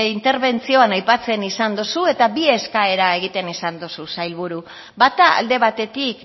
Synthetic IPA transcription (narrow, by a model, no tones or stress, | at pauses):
int̪e̞ɾβe̞nt͡sio̞anajpat͡se̞nisand̪osue̞t̪abie̞skae̞ɾae̞ɣ̞it̪e̞nisand̪osusajlβuɾu | bat̪aa̰ld̪e̞β̞at̪e̞t̪ik